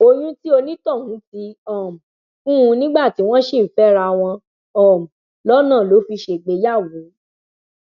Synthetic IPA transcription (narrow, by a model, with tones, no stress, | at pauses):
o˧jũ˦ti˦o˧nĩ˦tɔ̃˦˨hũ˨˦ti˧ɔ˨m̩˨ | kũ˦ũ˧nĩ˦ɡ͡ba˦˨ti˨˦w̃ɔ̃˦ʃe˦˨fɛ˦ɾa˧w̃ɔ̃˧ | ɔ̃˨m̩˨ | lɔ˦nãː˦˨lo˨˦fi˧ʃe˨ɡ͡be˧˦ja˦˨wo˨˦